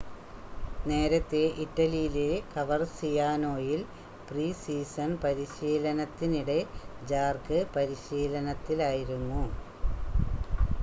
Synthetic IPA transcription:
ne̞ːɾɐt̪ːe̞ʔiʈːɐlijilekɐʋɐrsijaːno̞ːjil | priːsiːsɐnpɐɾiɕiːlɐnɐt̪ːiniɽe̞d͡ʑaːrkɨpɐɾiɕiːlɐnɐt̪ːilaːjiɾunːu

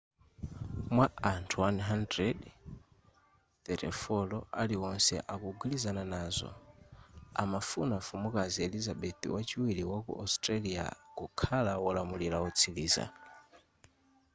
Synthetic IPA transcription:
mwaantʰuwanɦandɾɛd | tɛtɛ̰fɔlɔaliɔnsɛ̰ʔakuɡulizananaːzɔ̰ | a̰mafunafumukaziɛlizaɓɛt̪ḭwat͡ʃiwiliwakṵʔastʼɾalia̰kukʰalawɔlamulilaɔt͡sʰiliːza̰

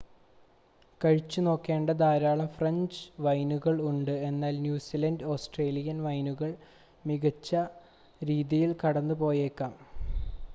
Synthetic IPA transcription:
kɐɻit͡ɕːuno̞ːkːe̞ːɳɖɐd̪aːɾaːɭɐmfrɐɲd͡ʑɨʋɐjnuɣɐɭuɳɖɨe̞nːaːlnjuːsiːlɐndo̞ːsʈreːlijɐnʋɐjnuɣɐɭ | miɣɐt͡ɕːɐ | ɾiːðijilkɐɽɐnːɨpo̞ːjekːaːm

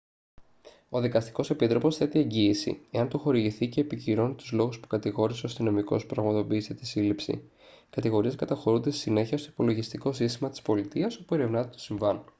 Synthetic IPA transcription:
o̞ðikɐst̪i̥ko̞se̞pit̪ɾo̞po̞sθe̞t̪ie̞ɲɟiːsḭe̞ɐnt̪uxo̞ɾiʝiθice̞ːpiciɾo̞nit̪uzlo̞ɣuspu̥kɐt̪iɣo̞ɾise̞ost̪ino̞miko̞̰spɾɐɣmɐt̪o̞piːst̪et̪isilipsḭ | kɐt̪iɣo̞ɾieskɐt̪ɐxo̞ɾund̪est̪i̥sine̞çiɐst̪oipo̞lo̞ʝist̪iko̞sist̪imɐt̪i̥spo̞lit̪iɐso̞pue̞ɾe̞vnɐt̪et̪u̥siɱvɐn

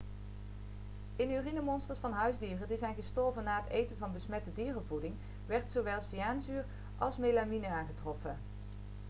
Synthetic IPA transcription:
ɪnyːrinəmɔnstərsfɑnɦœɥzdiːrədizɛjnɣəstɔɹvənːaːɦətejtənvɑnbəsmɛtədiːrəvudɪŋ | ʋɛɹtsoʋɛlˠsiaːnzyːr | ʔɑ̰lˠsmejlaminəaːnχətrɔfə

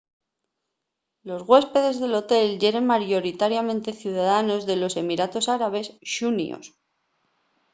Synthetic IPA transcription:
lo̞zɣwe̞spe̞ðe̞zðe̞lo̞t̪e̞lʝe̞ɾe̞nmaɾjo̞ɾit̪aɾjamẽnt̪e̞θjuðaðano̞zðe̞lo̞se̞miɾat̪o̞saɾaβe̞sʃunḭo̰s

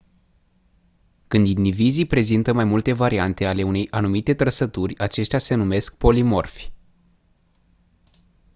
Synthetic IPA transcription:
kɨnd̪inivizipɾe̞zint̪əmajmult̪e̞vaɾiant̪e̞ale̞une̞jʔanumit̪e̞t̪ɾəsət̪urʲat͡ʃe̞ʃt̪ease̞nume̞sk̚po̞limo̞̰rf

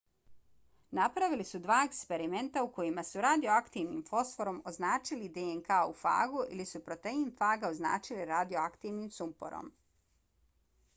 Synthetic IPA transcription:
napɾaʋilisud̪ʋaːekspe̞ɾime̞nt̪auko̞jimasuɾad̪io̞akt̪iːʋniːmfo̞sfo̞ɾo̞mo̞znaːt͡ʃilid̪eeŋkaufa̰ːɡuʔilisupɾo̞t̪einfaːɡaozna̰ːt͡ʃiliɾad̪io̞akt̪iːʋnimsumpo̰ɾo̰m

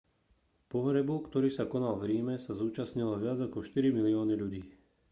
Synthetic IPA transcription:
pɔɦɾɛbukt̪ɔɾiːsakɔnalvɾiːmɛsazuːt͡ʃasɲilɔʋɪad͡zakɔʃt̪iɾimiliɔːniʎuɟiː

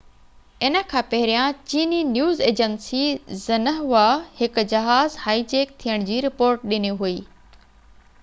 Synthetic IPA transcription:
ɪnə̆kʰãːpɐɦɪɾijãt͡ɕiːninjuːzeːd͡ʑənsizɐnəɦʋahɪkʊ̆d͡ʑɐɦaːzhaːit͡ɕeːk̚t̪ʰijəɽ̃d͡ʑiːɾɪpoːɾʈ̚ɗɪniɦuiː

